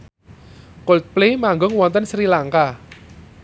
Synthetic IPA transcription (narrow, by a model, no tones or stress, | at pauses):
kolt̪̚plemaŋɡʊŋwɔnt̪ənsɾilaŋka